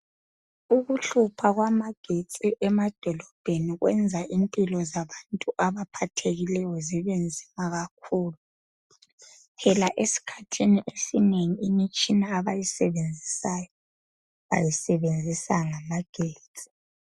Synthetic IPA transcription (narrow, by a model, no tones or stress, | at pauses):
uɣuɬupʰaɣwamaɡ̥ʱet͡sʼiʔɛmad̥ʱɔlɔb̥ʱeniɣwʔɛnd͡zʱaʔimpʼilɔzaβantʼuʔaβapʰatʰeɣilɛjɔziβend͡zʱimaɣakʰuːlu | pʰɛlaʔesi̥kʰatʰiniʔesineŋiimit͡ʃʼinaːβajisɛβend͡zʱisajɔ | βa̰jisɛβend͡zʱisaŋamaɡ̥ʱeːt͡sʼi̥